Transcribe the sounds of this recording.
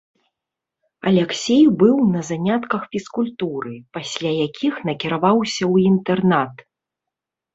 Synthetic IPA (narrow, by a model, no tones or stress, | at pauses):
ɐlʲɛksʲejbɨwnɐzanʲat̪kɐxfʲiskulʲt̪uɾɨpasʲlʲajakʲixnɐkʲiɾavawsʲɐwint̪ɛrnat̪